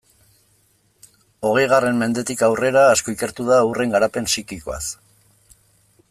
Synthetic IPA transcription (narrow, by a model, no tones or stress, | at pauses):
o̞ɣ̞e̞jɣ̞are̞mme̞nd̪e̞t̪ikawre̞ɾaːsko̞ike̞ɾt̪uð̞aure̞ŋɡaɾape̞nsikiko̞a̰s